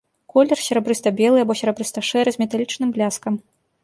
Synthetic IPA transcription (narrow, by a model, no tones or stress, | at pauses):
kɔlʲɛrsʲɛɾɐbɾɨst̪ɐbʲɛlˠɨjɐbɔsʲɛɾɐbɾɨst̪ɐʂɛɾɨzʲmʲɛt̪alʲit͡ʂnɨmblʲaskɐm